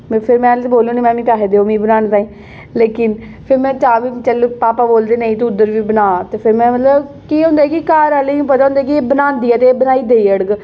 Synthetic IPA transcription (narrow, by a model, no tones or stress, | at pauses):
pʰɪɾmɛ̃ːlboːlõːniːmɛ̃ːmĩːt̪aːɦed̪eːoːmĩːbənaːnt̪aːĩː | leːkɪn | pʰɪɾmɛ̃ːt͡ʃaːʋiːt͡ʃəlpaːpaːboːld̪eːnəĩt̪eʊd̪əɾʋiːbənaːt̪eːpʰɪɾmɛ̃ːmət̪ləb | kiːɦʊ̃ːnd̪aːɛːkikaːɾaleũːpət̪aːʊ̃nd̪ɛːk̬ieːbənãːnd̪iːɛːt̪eːbənaːiːd̪eːiːəɽəɡ